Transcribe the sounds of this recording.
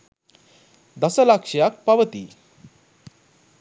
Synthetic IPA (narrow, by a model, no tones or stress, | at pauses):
d̪əsəlakʂjak̚paʋət̪i